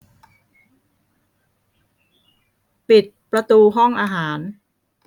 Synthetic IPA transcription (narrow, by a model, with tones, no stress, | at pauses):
pi˨˩t̪̚pɾa˧t̪uː˧ɦɔ˥˩ŋʔaː˧ɦaː˩˦n